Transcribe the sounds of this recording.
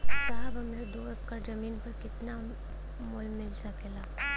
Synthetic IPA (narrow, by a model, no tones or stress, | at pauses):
saɦəbɐmned̪oː | kɐɾd͡ʒɐmiːnpɐɾkɪt̪na | moːlmːɪlsɐkelaː